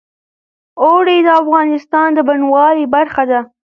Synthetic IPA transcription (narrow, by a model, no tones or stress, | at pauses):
oɽed̪əafɣɑnɪst̪ɑnd̪əbanwɑlibaɾxad̪a